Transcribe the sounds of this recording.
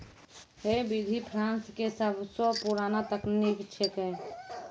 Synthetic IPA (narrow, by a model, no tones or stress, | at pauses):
ɦebid̪ʱipʰɾaːnskesəbʱsɔpuɾaːnat̪əknikt͡ʃʰekɛ